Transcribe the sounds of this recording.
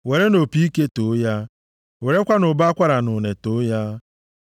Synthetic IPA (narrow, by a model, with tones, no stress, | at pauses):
we˨ɾe˦no˨pi˦i˦ke˦to˨˦ja˦ | we˨ɾe˦kʷa˦nʊ˨ba˦a˦kʷa˦ɾa˨nʊ˨ne˨to˦ja˦